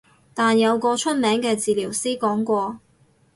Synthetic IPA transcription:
t̪aː˨njɐ˨˧wkɔː˧t͡ʃʰɵ˥t̚mɛː˨˥ŋkɛː˧t͡siː˨liː˨˩wsiː˥kɔː˨˥ŋkʷɔː˧

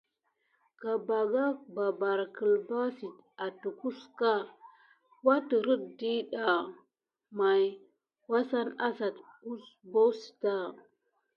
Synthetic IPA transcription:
ka˨ba˨ɡa˦kba˨ba˨ɾkə˨lba˦si˨t | a˨tu˨ku˦ska˦ | wa˦tə˨ɾə˦t̚di˦ɗa˨ | ma˨j | wa˦sa˦na˦sa˨tu˦sbo˦si̥˨ta˦˨

